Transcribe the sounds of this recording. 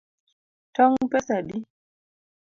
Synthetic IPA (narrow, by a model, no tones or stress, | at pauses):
tɔŋpɛsaɗi